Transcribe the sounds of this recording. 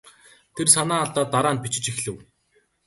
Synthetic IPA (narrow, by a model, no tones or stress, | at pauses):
t̪ʰersanaːɮt̪aːt̪ːaɾaːnpit͡ɕɪ̆t͡ɕixɮɘ̆w